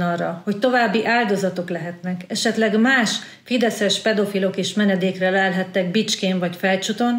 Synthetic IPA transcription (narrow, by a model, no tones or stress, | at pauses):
ɒrːɒho̞ct̪o̞vaːbːiʔaːld̪o̞zɒt̪o̞klɛɦɛt̪nɛkɛʃɛt̪lɛɡmaːʃ | fid̪ɛsɛʃpɛd̪o̞filo̞keːʃmɛnɛd̪eːkrɛlɛlɦɛt̪ːɛɡ̚bit͡ʃkeːɱvɒcfɛlt͡ʃut̪o̞n